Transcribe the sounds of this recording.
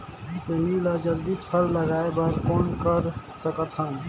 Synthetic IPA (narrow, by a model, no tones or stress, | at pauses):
semilad͡ʒəld̪ipʰəlːəɡaːebəɾkoːnkəɾ | səkət̪ɦən